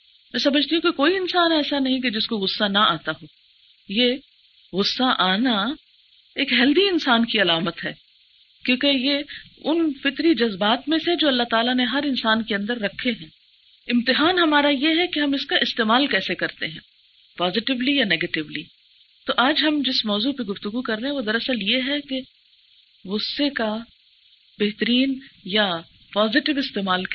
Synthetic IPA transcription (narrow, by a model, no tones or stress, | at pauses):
mɛ̃ːsɐməd͡ʒʱt̪iɦũkekoːiɪnsaːnɛːsanɐɦĩk̬ed͡ʒɪskoɣʊsːanɐaːt̪aɦoː | je | ɣʊsːaʔaːna | eːkɦɛld̪iɪnsaːnkiɐlaːmət̪ɦɛː | kjõːkejeʊnfɪt̪ɾid͡ʒɐzbaːt̪mẽsed͡ʒoːɐlːaɦt̪aːlaneɦɐɾɪnsaːnkeɐ̃nd̪əɾːɐkʰːeɦɛ̃ː | ɪ̃mt̪ɪɦaːnɦɐmaːɾajeɦɛkeɦɐmɪskaʔɪst̪eːmaːlkɛːsekɐɾt̪eɦɛ̃ː | paːzɪʈɪʋlijaneːɡeːʈɪʋliː | t̪oʔaːd͡ʒɦɐmd͡ʒɪsmɔːzupeɡʊft̪ʊɡukɐɾːeɦɛ̃ʋod̪ɐɾɐsəljeɦɛke | ʋʊsːeka | beɦt̪əɾiːnja | paːzɪʈɪʋɪst̪eːmaːl